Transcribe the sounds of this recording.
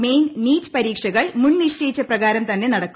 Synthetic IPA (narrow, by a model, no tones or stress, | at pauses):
me̞jnniːt͡ɕːpɐɾiːkʂɐɣɐɭmunniɕt͡ɕɐjit͡ɕːɐprɐɣaːɾɐmt̪ɐnːe̞nɐɽɐkːu